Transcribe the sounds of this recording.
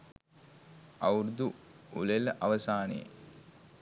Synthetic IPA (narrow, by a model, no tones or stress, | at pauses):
ɐwɾud̪uulelʔɐʋɐsaːnḛ